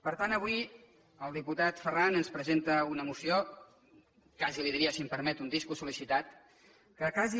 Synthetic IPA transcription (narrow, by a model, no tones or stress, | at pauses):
pəɾt̪anəβui | əlˠd̪iput̪at̪fəranənspɾəzent̪əunəmusio | kaziliðiɾiəsimpəɾmɛt̪und̪iskusulisit̪at̪ | kəkazi